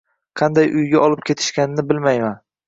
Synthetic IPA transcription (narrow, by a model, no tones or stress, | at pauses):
qʰɑnd̪ajʔʊjɡʲaʔɒlˠɪp̚kʲʰe̞t̪ʰɪ̥ʃkʲanɪnɪbɪlmajman